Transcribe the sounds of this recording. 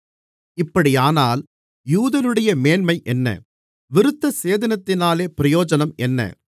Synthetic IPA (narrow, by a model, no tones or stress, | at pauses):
ɪpːɐɽijaːnaːl | juːðɐnɯɽɐjɐmeːnmɐɪʔɛnːɐ̰ | ʋɪɾɯt̪ːɐseːðɐnɐt̪ːɪnaːleːpɪɾɐjoːd͡ʒɐnɐmɛnːɐ̰